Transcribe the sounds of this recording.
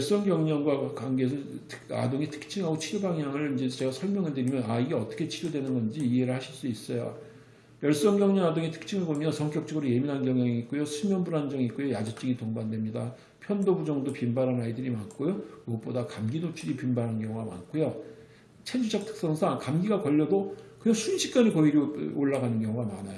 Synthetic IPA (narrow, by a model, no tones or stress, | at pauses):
jʌɭs͈ʌŋɡjʌŋɲʌŋɡwakwanɡesʰʌtʰɯ̥a̰doŋitʰɯ̥k̚t͡ɕʰiŋɦaɡot͡ɕʰiɾjobaŋjaŋɯɭind͡ʑe̞t͡ɕe̞ɡasʰʌɭmjʌŋɯɭdɯɾimjʌnaiɡeʌt͈ʌkʰet͡ɕʰiɾjodwe̞nɯnɡʌnd͡ʑiːɦe̞ɾɯɭhaɕʰiɭs͈uis͈ʌjo | jʌɭs͈ʌŋɡjʌŋɲʌŋadoŋitʰɯ̥k̚t͡ɕʰiŋɯɭbomjʌnsʰʌŋk͈jʌk̚t͡ɕ͈ʌɡɯɾoje̞minɦanɡjʌŋjaŋiiːk͈ojosʰumjʌnbuɾɦand͡ʑʌŋik͈ojojad͡ʑɯt͡ɕ͈ɯŋitoŋbandwe̞mɲida | pʰjʌndobud͡ʑʌŋdopimbaɾɦanaidɯɾimank͈ojokɯɡʌt̚p͈odakamɡinot͡ɕʰuɾipimbaɾɦankjʌŋuɡama̰nk͈ojo | t͡ɕʰend͡ʑud͡ʑʰak̚tʰɯ̥k̚s͈ʌŋsʰaŋkamɡiɡakʌʎːʌdokɯɲʌŋsʰunɕʰi̥k͈̚aɲikʌiɾooɭːaɡanɯnɡjʌŋuɡamanajo